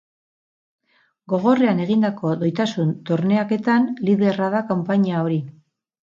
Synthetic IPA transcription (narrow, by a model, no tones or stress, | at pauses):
ɡo̞ɣ̞o̞re̞ane̞ɣ̞ind̪ako̞ðo̞jt̪asunt̪o̞ɾne̞ake̞t̪anliðe̞raðakampaɲao̞ɾi